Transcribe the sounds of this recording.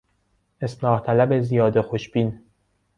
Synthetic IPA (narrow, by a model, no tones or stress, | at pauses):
esnɒːht̪ʰælæbezijɒːd̪exoʃb̥iːn